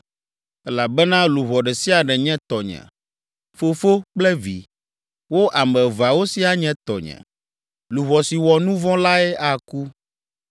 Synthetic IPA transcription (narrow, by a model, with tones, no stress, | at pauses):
ɛ˦la˨bɛ˦nã˦lu˨βɔ˨ɖɛ˨si˦a˨ɖɛ˨ɲɛ̃˦t̪ɔ˨ɲɛ̰̃˨ | fo˨fo˦k͡plɛ˦vḭ˨ | wo˦ʔa˨mɛ̃˨va˨wo˦si˦a˨ɲɛ̃˦t̪ɔ˨ɲɛ̰̃˨ | lu˨βɔ˨si˨wɔ˨nũ˦vɔ̃˦la˦ɛ˦a˨ku˦